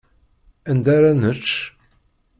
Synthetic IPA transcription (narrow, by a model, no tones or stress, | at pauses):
ænd̪aɾanət͡ʃː